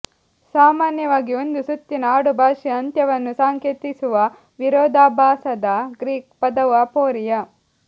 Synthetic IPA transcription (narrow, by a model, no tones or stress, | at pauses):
saːmaːnjɐʋaːɡiond̪usut̪ːinɐaːɽubʱaːʂiɐnt̪jɐʋɐnːusaːŋkeːt̪isuʋɐ | ʋiɾɔːd̪aːbʱaːsɐd̪ɐɡɾiːk̚pɐd̪ɐʋɐpoːɾijɐ